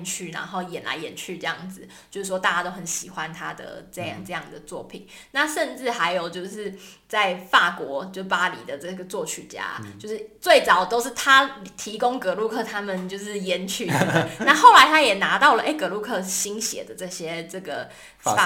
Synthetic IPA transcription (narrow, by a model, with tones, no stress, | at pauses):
nt͡ɕʰy˥˩na̰˧˥nxo˥˩ʊjɛ˨˩nla̰˧˥ɪjɛ˨˥nt͡ɕʰy˥˧ʈ͡ʂɤ˥˧jɑ̰˥˩ŋd͡z̩˩t͡ɕjo˥˧ʊʂɻ̩˥˩wɔ˥t̪a˥˩t͡ɕa˥t̪o˥ʊxə˧˦nɕi˨˩xwa˦nt̪ʰa˥d̪ə̰˩ʈ͡ʂɤ˥˧jɑ̰˥˩ŋʈ͡ʂɤ˥˧jɑ˥˩ŋd̪ə˩t͡swɔ˥˩pʰḭ˨˩˦nna˥˨ʂə˥˧nʈ͡ʂɻ̩˥˩xa˧˥ɪjo˨˩ʊt͡ɕjo˥˧ʊʂɻ̩˥˧ | t͡sa˥˧ɪfa˥˩kwɔ˧˥t͡ɕjo˥˧ʊʂ̩˥˩pa˥lḭ˨˩d̪ə˩ʈ͡ʂɤ˥˩ɡə˩t͡swɔ˥˧t͡ɕʰy˨˩t͡ɕja̰˥t͡ɕjo˥˧ʊʂɻ̩˥˩t͡swe˥˩ɪt͡sɑ˨˩ʊt̪o˥ʊʂɻ̩˥˩t̪ʰa˥t̪ʰi˧˥ko˥ŋkɤ˧˥lu˥˧kʰɤ˥˩t̪ʰa˥mə˨nt͡ɕjo˥˧ʊʂɻ̩˥˩jɛ˥nt͡ɕʰy˥˩d̪na˥˧xo˥˩ʊla˧˦ɪt̪ʰa˥jɛ˨˩na˧˥t̪ɑ˥˩ʊlə˨ʔe˥˩ɪkɤ˧˥lu˥˧kʰɤ˥˩ɕi˥nɕjɛ̰˨˩d̪ə˦ʈ͡ʂɤ˥˩ɕjɛ˥ʈ͡ʂɤ˥˩ɡə̰˩˧